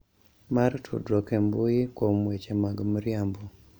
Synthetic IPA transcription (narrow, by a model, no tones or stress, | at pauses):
maɾtʰṵdɾɔkembujɪkwomwet͡ʃemaɡmɾjambu